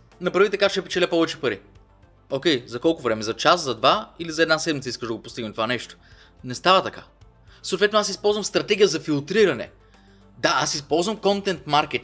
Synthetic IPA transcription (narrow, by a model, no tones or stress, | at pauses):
nɐpɾɐvit̪ɐkaʃt̪ɛpɛt͡ʃɛlɛpɔvɛt͡ʃɛ̥pɐɾi | okʲɛjzɐkɔlˠkʊvɾɛmɛzɐt͡ʃaszɐd̪vailizɐɛd̪nasɛd̪mit̪iskəʃʒd̪ɐɡopʊst̪iɡnət̪ovanɛʃt̪o̥ | nɛst̪avət̪ɐka | soːt̪vɛt̪nasispɔlˠzvəmst̪ɾɐt̪ɛɡʲijəzɐfilˠt̪ɾiɾɐnɛ̰ | d̪aasispɔlˠzvəmkɔnt̪ɛnt̪maɾk̟ɛt̪